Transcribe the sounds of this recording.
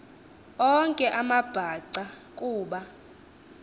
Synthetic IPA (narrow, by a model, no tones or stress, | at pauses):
ɔŋkʼɛʔamab̥ʱaǀakʼuːɓa